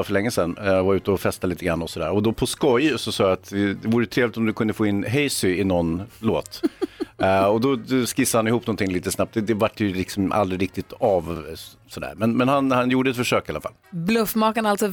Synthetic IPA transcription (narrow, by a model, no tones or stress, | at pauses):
afœɭɛŋːəsɛnːvaɾʉ̟ːt̪əɔfɛst̪aliːt̪əɡɾa̰nːɔsɔd̪æ̰ːɾɔd̪ɔpʰɔskɔjsɔsɑːjaat̪ɪd̪ɛvuːɾəjt̪ʰɾeːvlɪt̪ɔmd̪ɵkʰɵnd̪əfoːɪnːɦɛjsʏɪnɔnloːt̪ | ɔd̪ɔd̪skɪsːahanɪhuːpnɔnt̪ʰɪŋliːt̪əsnapt̪d̪ɛd̪ɛvaʈːjɵlɪksɔmʔa̰ld̪ɾɪɾɪk̚t̪ɪt̪av | sɔd̪æ̰ːɾmɛnmɛnhanhanjuːɖəɛt̪fœʂøːkɪalːafa̰lblɵfmɑːkənalt̪sɔ